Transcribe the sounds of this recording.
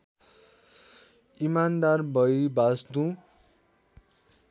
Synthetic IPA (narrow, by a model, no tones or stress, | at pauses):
imand̪arbʌjbasd̪ũ